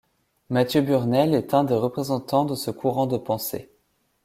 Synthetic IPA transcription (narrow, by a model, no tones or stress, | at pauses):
mat̪jøbyʁnɛlɛt̪ɛ̃d̪eʁəpχezɑ̃t̪ɑ̃d̪əsəkʰuʁɑ̃d̪əpɑ̃sḛ